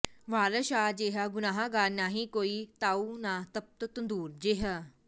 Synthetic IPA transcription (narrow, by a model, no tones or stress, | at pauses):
ʋaːləʃaːd͡ʑeːɦaɡʊnaːɦaɡaːnaːɦĩkoːit̪aːunat̪ɐp̚t̪ət̪und̪uːɾd͡ʑeɦə